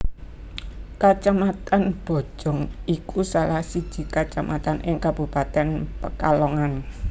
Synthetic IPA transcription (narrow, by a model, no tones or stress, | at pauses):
kat͡ʃamat̪anb̥o̤̥d͡ʒ̥ɔ̤ŋikusalahsid̥ʒ̥i̤kat͡ʃamʔat̪anʔɪŋkab̥upat̪ɛnpəkalɔŋan